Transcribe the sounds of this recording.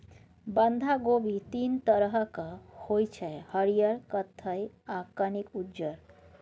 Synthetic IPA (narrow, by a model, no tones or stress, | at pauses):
bənd̪ʱaɡobit̪int̪əɾɦəkəhojt͡ʃʰɛhəɾijəɾkət̪ʰːəjakanikud͡ʒəɾ